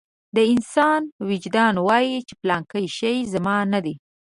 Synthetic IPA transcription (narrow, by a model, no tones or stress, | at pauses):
d̪əɪnsɑnwɪd͡ʒd̪ɑnwɑjit͡ʃe̥plɑŋkəjʃəjzamɑnad̪i